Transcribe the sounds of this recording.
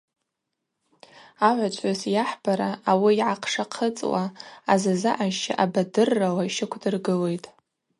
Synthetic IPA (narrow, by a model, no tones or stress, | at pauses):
aʕʷat͡ʃʷʼazjaħbaɾaːwiːʕaqʰʂaqʰət͡sʼwaazazaʔaʃʃa̰ʔabadɨrːawaʃɪkʷʰdɨrɡɨle̞jtʼ